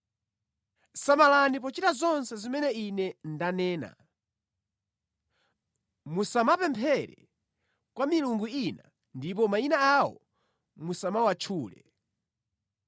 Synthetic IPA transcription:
samalanip̬ɔt͡ʃitazɔnsɛzimɛnɛinɛndanɛːna̰ | musamapɛmpʰɛɾɛ̰ | kwamiluŋɡuina | ndip̬ɔmainaawɔ̰ | musamawat͡ʃʰuːlɛ̰

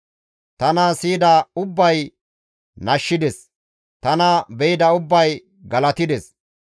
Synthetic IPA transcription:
t̪ɐnɐsiːd̪ɐʊbːɐj | nɐʃːɪd̪ɛs | t̪ɐnɐbɛjɪd̪ɐʊbːɐj | ɡɐlɐt̪ɪd̪ɛs

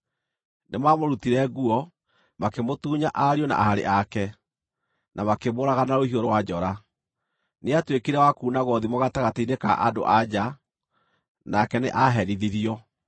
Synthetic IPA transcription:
nemamoɾutiɾɛɣuɔ | makemotuːɲaʔaɾiɔna̰ʔahaɾḛʔakɛ | nʔamakemoːɾaɣanaɾohioɾowad͡ʒɔɾa | neatwekeɾɛwakuːnaɣɔðimoɣataɣataineka̰ʔado̰ʔad͡ʑa | nakɛnḛʔaɦɛɾiðiɾiɔ

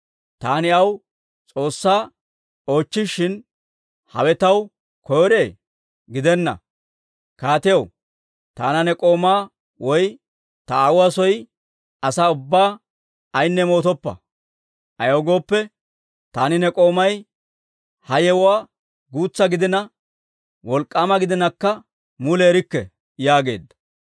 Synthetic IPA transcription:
t̪aːnɪɐw | t͡sʼo̞ːsːaː | o̞ːt͡ʃːɪʃːɪn | hɐ̰wɛt̪ɐw | kʰɔjɔɾe̞ː | ɡɪd̪ɛnːɐ̰ | kaːt̪ɪjɐw | t̪a̰ːnɐnɛkʼo̞ːmaː | wɔj | t̪ɐaːwwasɔj | ɐsaːʊbːaː | ɐjnːɛmo̞ːt̪ɔpːɐ̰ | ʔɐjoɡo̞ːpːɛ | t̪aːnɪnɛkʼo̞ːmɐj | hɐjɛwwaː | ɡuːt͡sːɐɡɪd̪ɪnɐ | wɔlkʼːamɐɡɪd̪ɪnɐkːɐ | mʊleːɾɪkːɛ | jaːɡe̞ːd̪ːɐ̥

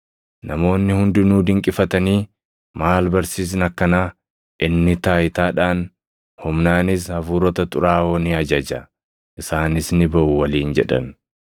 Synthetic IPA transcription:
nɐmo̞ːnːɪhʊnd̪ʊnuːd̪ɪŋkʼɪfɐt̪ɐniː | maːlbɐɾsiːs̬ɪnɐkːɐnaː | ʔɪnːɪt̪aːjɪt̪aːᶑaːn | hʊmnaːnɪs̬hɐfuːɾɔt̪ɐt̪ʼʊɾaːɔnɪɐd͡ʒɐd͡ʒɐ | ʔɪsaːnɪsnɪbɐʔʊwɐliːnd͡ʒɛᶑɐ̰n

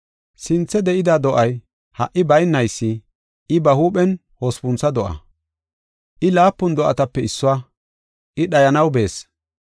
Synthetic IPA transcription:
sɪnt͡sːɛd̪ɛʔɪd̪ad̪ɔʔɐj | hɐʔːɪbɐjnːɐjsːɪ | ɪbɐhuːɓɛn | hospʊnsɐd̪ɔʔɐ̰ | ʔɪlaːpːʊnd̪ɔʔɐ̰t̪ɐpːɛɪsːɔwa | ʔɪɗɐjɐnɐwbe̞ːs

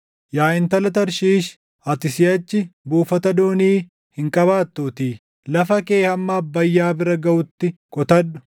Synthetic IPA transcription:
jaːɪnt̪ɐlɐt̪ɐɾʃiːʃ | ɐt̪ɪsɪɐt͡ʃːɪbuːfɐt̪ɐd̪oːniː | hɪŋkʼɐβaːt̪ːuːt̪iː | lɐfɐke̞ːhɐmːaːbːɐjːaːbɪɾɐɡɐʔʊt̪ːɪkʼɔt̪ɐdːʊ̥

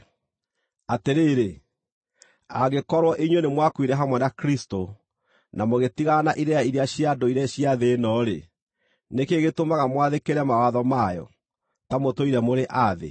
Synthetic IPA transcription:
ateɾeɾe | aɣekɔɾwɔʔiɲwenemwakwiɾɛɦamwɛnakɾisto | namoɣetiɣanaʔiɾɛaiɾeaɕiadoiɾɛɕiaðeːnɔɾe | nekeɣetomaɣamwaðekeɾɛmawaðɔmajɔ̰ | tamotoiɾɛmoɾeʔaðḛ

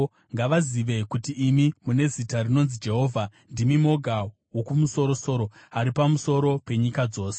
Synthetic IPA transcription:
ŋɡaʋaziʋe̞kutiːmimune̞zitarino̞nzid͡ʒe̞ɦo̞ːvʱa | ndimimo̞ɡʱa | wo̞kumuso̞ɾo̞so̞ːɾo̞aɾipamuso̞ɾo̞pe̞ɲikad͡zo̞ːse

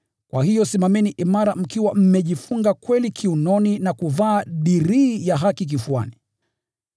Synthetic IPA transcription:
kwahijɔsimamɛniʔimaɾam̩kiwam̩mɛʄifuŋɡakwɛlikʰiunɔninakuvaːɗiɾiːjaɦakik̬ifua̰ni

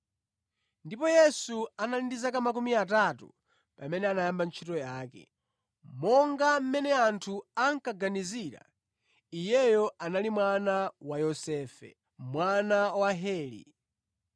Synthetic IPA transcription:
ndipɔjɛsuanalindizakamak̬umiatatṵ | pamɛnɛanajambant͡ʃʰitɔjaːkɛ̰ | mɔŋɡam̩mɛnɛantʰuaŋ̩kaɡaniziɾa̰ | ijɛjɔʔanalimwanawajɔsɛfɛ̰ | mwanawaɦɛːlḭ

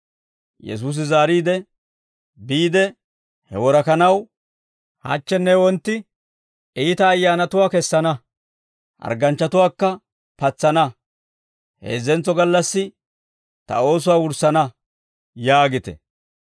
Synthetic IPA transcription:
jɛ̰s̬uːs̬ɪzaːɾiːd̪ɛ | biːd̪ɛ | hɛ̰wɔɾɐkɐnɐw | hɐ̰t͡ʃːɛnːɛwɔnt̪ːɪ | iːt̪ɐːjːaːnɐt̪ʊwaːkɛsːɐnɐ | ʔɐ̰ɾɡɐnt͡ʃːɐt̪ʊwaːkːɐ | pɐt͡sːɐnɐ | hḛːzːɛnt͡sːɔɡɐlːɐsːɪ | t̪ɐ̰o̞ːs̬ʊwaːwʊɾsɐnɐ | jaːɡɪt̪ɛ̰

